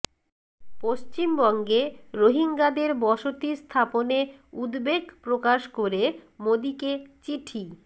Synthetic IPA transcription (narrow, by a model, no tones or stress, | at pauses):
poʃt͡ɕimbɔŋɡeɾoɦiŋɡad̪eɾbɔʃot̪ist̪ʰaponeud̪beɡpɾokaʃkoɾemod̪iket͡ɕiʈʰi